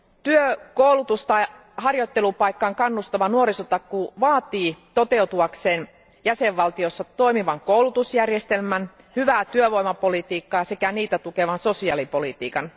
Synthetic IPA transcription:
t̪yøkoulut̪ust̪ɑi | hɑrjot̪ːelupɑikːɑŋkɑnːust̪ɑʋɑnuoɾisot̪ɑkkuʋɑːt̪iːt̪ot̪eut̪uɑkseːn | jæseʋʋɑlt̪iosːɑt̪oimiʋɑŋkoulut̪usjærjest̪elmæn | hyʋæːt̪yøʋoimɑpolit̪iːkːɑːsekæniːt̪æt̪ukeʋɑnso̞siɑlipolit̪ḭːkɑn

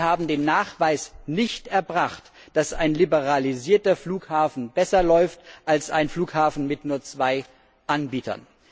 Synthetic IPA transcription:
haːbm̩deːnːaːχv̥aɪsnɪçtʔɛɐbʁaχt | d̥asa̰ɪnlibəʁaliziːɐtɐfluːkhaːfn̩bɛsɐlɔʏftʔalsaɪnfluːkhaːfn̩mɪtnuːɐt͡sv̥aɪ | ʔanbiːtɐ̰n

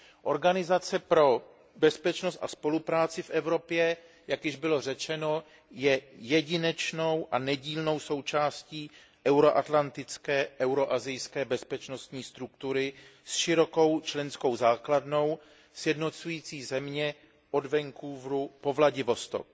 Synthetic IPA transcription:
ʔo̞ɾɡanɪzat͡sɛpɾo̞ | bɛspɛt͡ʃno̞st̪a̰spo̞lupɾaːt͡sɪfʔɛvɾo̞pjɛ | jakjɪʒbɪlo̞r̝ɛt͡ʃɛno̞ | jɛjɛɟɪnɛt͡ʃno̞wʔanɛɟiːlno̞wso̞wt͡ʃaːsciː | ʔɛwɾo̞ʔat̪lant̪ɪt͡skɛːʔɛwɾo̞ʔazɪjskɛːbɛspɛt͡ʃno̞st̪ɲiːst̪ɾukt̪uɾɪsʃɪɾo̞ko̞wt͡ʃlɛnsko̞wzaːkladno̞w | sjɛdno̞t͡sujiːt͡siːzɛmɲɛ | ʔo̞dvɛŋkuːvɾupo̞vlaɟɪvo̞st̪o̰k

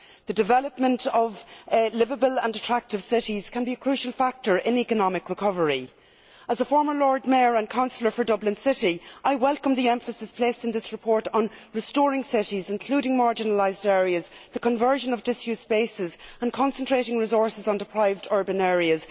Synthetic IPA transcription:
ðədɨvɛləp̚mə̃ntʰʌvlɪvəbələ̃ndətʰɹ̥ak̚tɪv̥sɪɾiz̥kʰə̃nbiəkʰɹ̥ʉʃəlˠfak̚tə˞ʔɪ̃nikənɑmɪkɹɪkʰʌvəɹi | əzəfɔɹmə˞lɔːɹd̚mɛɹə̃nkʰãʊ̃nsl̩ə˞fə˞dʌblɪ̃nsɪɾiʔaɪwɛlˠkə̃mðiɛ̃ɱfəsɪspʰl̥eɪstɨ̃nðɪsɹɨpʰɔɹɾn̩ɹɨstɔːɹɪ̃ŋsɪɾizɪ̃nkʰl̥uːɾɪ̃ŋmaɹd͡ʒɪnəlaɪzdɛːɹiəzðəkʰə̃ɱvɜ˞ʒə̃nʌvdɪsjʉsb̥eɪsɪzə̃nkʰɑ̃nsə̃ntʰɹ̥eɪɾɪ̃ŋɹɪzɔɹsɪzn̩dɪpʰɹ̥aɪvdɔɹbɨ̃nɛːɹiəz̥

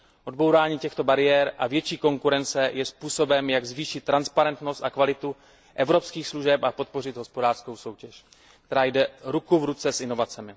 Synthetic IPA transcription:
ʔo̞dbowɾaːɲiːcɛxt̪o̞baɾɪjɛɾʔa̰vjɛt͡ʃiːko̞ŋkuɾɛnt͡sɛjɛspuːso̞bɛmjaɡzviːʃɪt̪ːɾanspaɾɛnt̪no̞st̪akvalɪt̪u | ʔɛvɾo̞pskiːxsluʒɛpapo̞t̪̚po̞rɪd̪ɦo̞spo̞daːr̥sko̞wso̞wcɛʃ | k̚t̪ɛɾaːjdɛɾukuvɾut͡sɛsʔɪno̞vat͡sɛmɪ

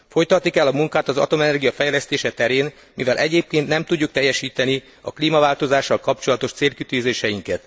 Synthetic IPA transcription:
fo̞jt̪ɒt̪nikɛlːɒmuŋkaːt̪ɒzɒ̰t̪o̞mɛnɛrɡijɒfɛjlɛst̪eːʃɛt̪ɛɾeːn | mivɛlʔɛɟeːp̚keːnt̪nɛmt̪uɟːuk̚t̪ɛjːɛʃiːt̪ɛni | ɒ̰kliːmɒvaːlt̪o̞zaːʃːɒlkɒpt͡ʃo̞lɒt̪o̞ʃt̪seːlkit̪yːzeːʃɛjiŋkɛt̪

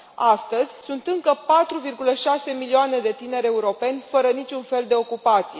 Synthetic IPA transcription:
ast̪əzʲsunt̪ɨŋkəpat̪ɾuvirɡuləʃase̞milioane̞d̪e̞t̪ine̞ɾe̞uɾo̞pe̞nʲfəɾənit͡ʃʲunfe̞ld̪e̞o̞kupat̪sije

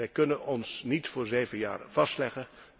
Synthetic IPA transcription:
ɛjkɵnənɔnsnitfʊːɹzeːvənja̰ːrv̥ɑstlɛχən

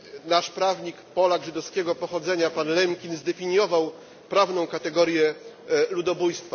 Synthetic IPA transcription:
naʂpɾavɲikpɔlaɡʐɘd̪ɔfskʲɛɡɔpɔxɔd̪zɛɲapanlɛmkʲinzd̪ɛfʲiɲjɔvaw | pɾavnɔ̃w̃kat̪ɛɡɔɾʲjɛlud̪ɔbujst̪fa

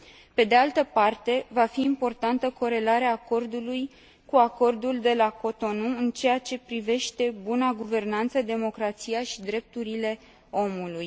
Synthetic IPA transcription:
pe̞d̪e̞alt̪əpart̪e̞vafiːmpo̞rt̪ant̪əko̞ɾe̞laɾeaːko̞rd̪uluj | kuako̞rd̪uld̪e̞lako̞t̪o̞nuɨnt͡ʃe̞jat͡ʃe̞pɾive̞ʃt̪e̞bunaɡuve̞rnant̪səd̪e̞mo̞kɾat̪sijaʃid̪ɾe̞p̚t̪uɾile̞ | o̞muluj

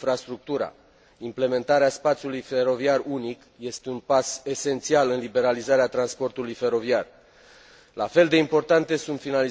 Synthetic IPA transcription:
fɾast̪ɾuk̚t̪uɾa̰ | imple̞me̞nt̪aɾeaspat̪sʲjulujfe̞ɾo̞viarunik | je̞st̪e̞unpase̞se̞nt̪sialɨnlibe̞ɾalizaɾeat̪ɾanspo̞rt̪ulujfe̞ɾo̞viar | la̰fe̞ld̪e̞impo̞rt̪ant̪e̞sunt̪finali

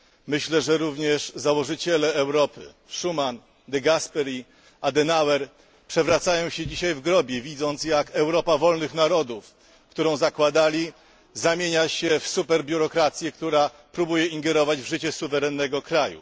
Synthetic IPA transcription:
mɘɕlɛʐɛɾuvɲɛʂzawɔʐɘt͡ɕɛlɛːwɾɔpɘ̰ | ʂuman | d̪ɛɡaspɛɾʲi | ad̪ɛnawɛɾ | pʂɛvɾat̪sajɔ̃w̃ɕɛd͡ʑiɕajvɡɾɔbʲjɛvʲid̪zɔnt̪sjakɛwɾɔpavɔlnɘxnaɾɔd̪uf | kt̪uɾɔ̃w̃zakwad̪alʲi | zamʲjeɲaɕɛfsupɛɾbʲjuɾɔkɾat̪sʲjɛkt̪uɾa | pɾubujɛiŋɡɛɾɔvad͡ʑvʐɘt͡ɕɛsuvɛɾɛnːɛɡɔkɾajṵ

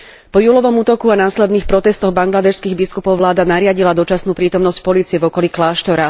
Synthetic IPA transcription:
pɔjuːlɔʋɔmuːt̪ɔkuanaːslɛd̪niːxpɾɔt̪ɛst̪ɔɣbaŋɡlad̪ɛʃskiːɣbiskupɔʊʋlaːd̪anaɾɪaɟilad̪ɔt͡ʃasnuːpɾiːt̪ɔmnɔscpɔliːt͡siɛvɔkɔliklaːʃt̪ɔɾa

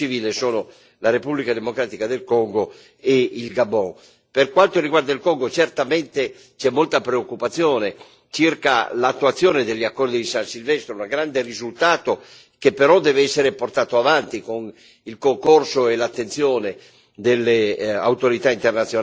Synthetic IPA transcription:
iviːlesoːno | laɾepublikad̪emokɾaːt̪ikad̪elkɔŋɡo | eilɡabːɔŋ | perkwant̪oriɡward̪ailkɔŋɡot͡ʃert̪ament̪e | t͡ʃɛmːolt̪apɾeokːupat̪sːjɔːne | t͡ʃirka̰lat̪ːuwat̪sːjoːned̪eʎːiakːɔrd̪id̪isansilvɛst̪ɾounaɡɾand̪erizult̪aːt̪o | kepːeɾɔd̪ɛːveɛsːeɾeport̪aːt̪oavant̪ikon | ilkoŋkorsoelat̪ːent̪sjoːne | d̪elːea̰wt̪oɾit̪aint̪ernat̪sːjo

